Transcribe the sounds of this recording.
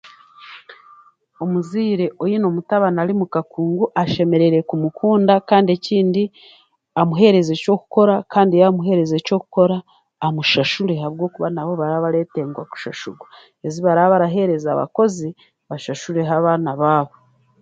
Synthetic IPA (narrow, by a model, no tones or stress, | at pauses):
o̞muziːɾe̞ʔojino̞mutaβanaɾimukakuːŋɡuʔaʃe̞me̞ɾe̞ɾe̞kumukʰuːndakaːndie̞ciːndi | amuɦe̞ɾe̞zeco̞ku̥ko̞ɾakaːndijamuɦe̞ɾe̞zeco̞ku̥ko̞ɾaː | muʃaʃuɾe̞ɦaβɡo̞ːkuβanaβo̞βaɾaβaɾe̞te̞ːŋɡwaku̥ʃaʃuɡwa | eziβaɾaβaɾaɦe̞ɾe̞zaβa̰ko̞zi | βaʃaʃuɾe̞ɦaβaːnaβaːβo